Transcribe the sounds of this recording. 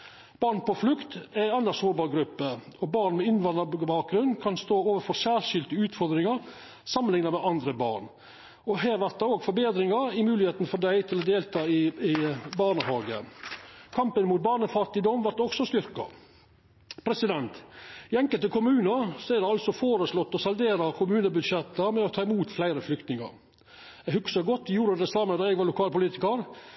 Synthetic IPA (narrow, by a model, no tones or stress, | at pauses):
b̥ɑːɾɳpɔflʉkt̪æɪɛnəsoːbɑɾɡɾʉpːəɔbɑːɾɳmɛɪnʋɑnd̪əbɑːk̚ɡɾʉnːkʰɑnst̪oːoːʋəfɔsæːɾʂɪlt̪ɪʉːt̪fɔɾd̪ɾɪŋəɾ | sɑmːənlɪŋnɑmɛʔɑnd̪ɾəbɑ̰ːɳ | ɔɦæːɾʋæɾt̪d̪ɛoːɡfɔbeːd̪ɾɪŋɑɾɪmʉːlɪheːt̪n̩fɔd̪æɪt̪ʰɪlɔd̪eːlt̪ʰɑːɪɪbɑːɳəhɑːɡə | kʰɑmpənmuːt̪̚bɑːɳəfɑt̪ɪd̪ɔmʋɑɾt̪ːɔksɔst̪ʏɾkɑ̰ | pʰɾɛsɪd̪ɛnt̪ɪɛŋkəlt̪əkʰʊmʉːnəɾsɔæɾd̪ɛɑlsɔfoːɾəslɔt̪ːɔsɑld̪eːɾɑkʰʊmʉːnəbʉd̪ʂɛt̪ːəmɛɔt̪ʰɑːɪmuːt̪flæɪɾəflʏkt̪nɪŋɑ̰ɾ | ɛhʉksɑɡɔt̪ːjuːɾəd̪ɛsɑmənd̪ɑɛɡʋɑlʊkʰɑːlpʊliːt̪ɪkəɾ